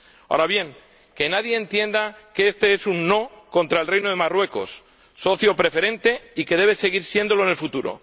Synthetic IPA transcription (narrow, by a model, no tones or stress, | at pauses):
a̰ɾaβje̞ŋ | ke̞naðje̞ːnt̪je̞nd̪akeest̪e̞e̞sunːo̞ko̞nt̪ɾaelrejnoð̞e̞marwe̞ko̞̰sː | o̞θjo̞pɾe̞fe̞ɾẽ̞nt̪e̞ike̞ð̞e̞β̞ese̞ɣ̞iɾsje̞nd̪o̞loene̞lfut̪uɾo̞̰